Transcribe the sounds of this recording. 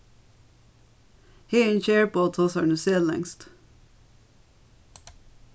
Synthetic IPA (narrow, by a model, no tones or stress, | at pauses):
hiːençeːɹpoːt̪ʰɑːsɑnʉseːllɛ̰ŋst̪